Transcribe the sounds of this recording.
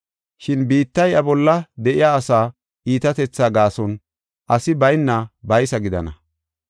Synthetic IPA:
ʃɪnbiːt̪ːɐjɐbɔlːɐd̪ɛʔɪjaːsaː | ʔiːt̪ɐt̪ɛt͡sːaːɡaːsɔn | ʔɐsɪbɐjnːɐbɐjsɐɡɪd̪ɐnɐ

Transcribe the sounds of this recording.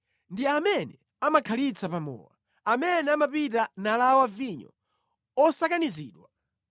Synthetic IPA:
ndiamɛnɛ | amakʰalit͡sʰapamɔ̰ːwa̰ | amɛnɛamapitanalawaviɲɔ̰ | ɔsakanizḭːɗwa

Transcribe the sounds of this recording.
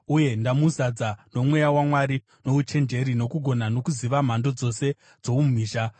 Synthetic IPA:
uje̞ndamuzad͡zano̞mwe̞jawamwaɾi | no̞ut͡ʃe̞nd͡ʒe̞ɾino̞kuɡʱo̞nano̞kuziʋam̤ando̞d͡zo̞se̞ | d͡zo̞umum̤iːʃa

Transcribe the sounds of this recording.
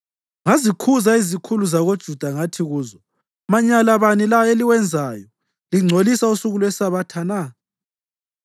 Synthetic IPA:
ŋazikʰuzaizikʰuluzaɣod̥ʒ̥ʱud̥ʱaŋatʰiɣuːzɔ | maɲalaβanilaeliwɛnd͡zʱaːjɔ | liŋ͡ǀʱolisausuɣulwɛsaβatʰana

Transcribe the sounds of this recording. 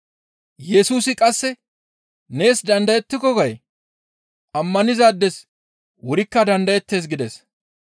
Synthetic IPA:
jɛsuːsɪkʼɐsːɛ | ne̞ːsd̪ɐnd̪ɐjɛt̪ːɪkɔɡɐj | ʔɐmːɐnɪzaːd̪ːɛs | wʊɾɪkːɐd̪ɐnd̪ɐjɛt̪ːe̞ːs̬ɡɪd̪ɛs

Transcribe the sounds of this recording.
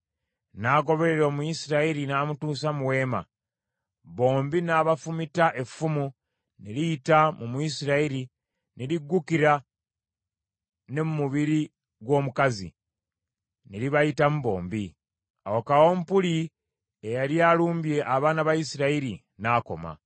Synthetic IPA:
naːɡo̞βe̞ɾe̞ɾo̞ːmuisiɾaiɾinamutuːs̬amuwe̞ːma̰ | βo̞ːmbinaːβafumitaʔe̞fumu | nilijitamumuisiɾaiɾi | niliɡːukiɾa | nemumuβiɾi | ɡwo̞ːmukazḭ | neliβajitamuβo̞̰ːmbi | a̰wokawo̞mpuli | ejaljaluːmbje̞ʔaβaːnaβaisiɾaiɾi | naːko̞̰ma̰

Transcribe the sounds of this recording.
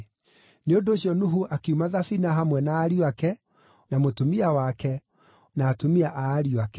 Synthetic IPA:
neondoːɕiɔnuɦuʔakeumaðafinaɦamwɛnaːɾiwakɛ | namotomiawakɛ | naːtomiaʔaːɾiwakɛ

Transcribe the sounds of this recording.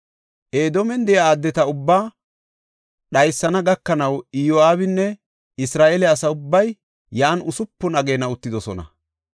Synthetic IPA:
ʔeːd̪ɔmɛnd̪ɛjaaːd̪ːɛt̪ɐʊbːaː | ɗɐjsːɐnɐɡɐkːɐnɐwɪjoaːbɪnːɛ | ɪsɾaːʔelɛɐsɐʊbːɐjː | aːnʊsʊpːʊnɐɡeːnɐʊt̪ːɪd̪ɔsɔ̰nɐ̰

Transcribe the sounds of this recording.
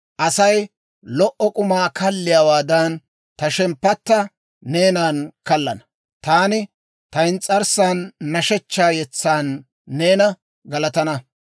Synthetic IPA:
ʔɐsɐj | lɔʔɔkʼʊmaːkɐlːɪjaːwaːd̪ɐn | t̪ɐʃɛmpːɐt̪ːɐ | ne̞ːnaːnkɐlːɐnɐ | t̪aːnɪ | t̪ɐɪnt͡sʼɐɾsaːnːɐʃɛt͡ʃːaːjɛt͡sːaːnː | e̞ːnɐ | ɡɐlɐt̪ɐnɐ

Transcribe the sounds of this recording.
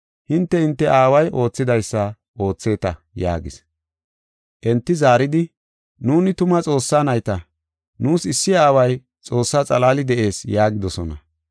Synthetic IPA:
hɪnt̪ːɛhɪnt̪ːɛʔaːwɐjʔo̞ːt͡sːɪd̪ɐjsːɐ | o̞ːt͡sːe̞ːt̪ɐ | ja̰ːɡɪs | ʔɛnt̪ːɪzaːɾɪd̪ɪ | nuːnɪt̪ʊmɐt͡sʼo̞ːsːaːnɐjt̪ɐ | nuːsɪsːɪaːwɐj | t͡sʼo̞ːsːaːt͡sʼɐlaːlɪd̪ɛʔe̞ːsjaːɡɪd̪ɔsɔnɐ

